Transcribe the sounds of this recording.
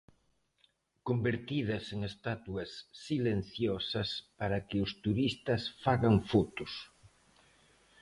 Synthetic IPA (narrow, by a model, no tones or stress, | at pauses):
kombeɾt̪ið̞ɐseŋest̪at̪uɐsːilen̟θjɔsɐspaɾɐkɪʊst̪uɾist̪ɐsfaɣaŋfot̪ʊs